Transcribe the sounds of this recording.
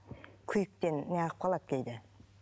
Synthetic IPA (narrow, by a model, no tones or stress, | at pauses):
kʲʰʏjɪk̚t̪e̞nnejɑʁəp̚qʰɑlˠɑt̪̚kʲʰejd̪ɪ